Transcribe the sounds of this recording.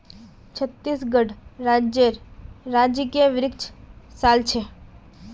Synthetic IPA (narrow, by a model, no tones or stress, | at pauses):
t͡ʃʰət̪ːiːsɡəɖɾaːd͡ʒeɾɾaːd͡ʒkeʋɪɾɪkt͡ʃʰsaːlt͡ʃʰe